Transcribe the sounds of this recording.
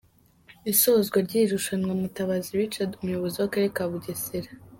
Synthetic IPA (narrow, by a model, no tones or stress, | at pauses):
isozɡwaɾɟiɾuʃanŋamutaβaziɾit͡ʃadumujoβoziwakaɾekaβuɟeseɾa